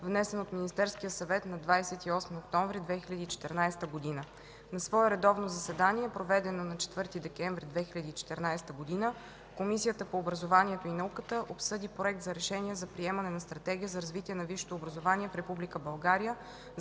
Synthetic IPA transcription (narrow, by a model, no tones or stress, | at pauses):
vnɛsɛnot̪minist̪ɛɾskijəsɐvɛt̪nɐd̪vajsɛt̪iɔsmiokt̪ɔɱvɾid̪vɛxilʲɐd̪iːt͡ʃɛ̥t̪ɛɾnajst̪əɡod̪inə | nɐsvɔɛɾɛd̪ɔvnozɐsɛd̪aniɛpɾovɛd̪ɛnonɐt͡ʃɛ̥t̪vɤɾt̪id̪ɛkɛɱvɾid̪vɛxilʲɐd̪iːt͡ʃɛ̥t̪ɛɾnajst̪əɡod̪inə | komisijət̪əpoːbɾɐzovanʲiɛt̪oinɐukət̪əʔopsɤd̪ipɾoɛkt̪zɐɾɛʃɛniɛzɐpɾiɛmɐnɛnɐst̪ɾɐt̪ɛɡ̟ʲiəzɐɾɐzvit̪iɛnɐviʃo̥t̪oːbɾəzovanʲiɛfɾɛpublʲikəbɐlˠɡaɾijə